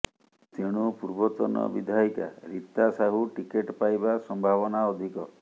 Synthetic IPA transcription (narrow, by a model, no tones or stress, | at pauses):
t̪eɽ̃upuɾbɔt̪ɔnɔ̰bid̪ʱaika̰ɾit̪ːasaɦuʈikeʈpajbasɔmbʱaβɔnaɔd̪ʱikɔ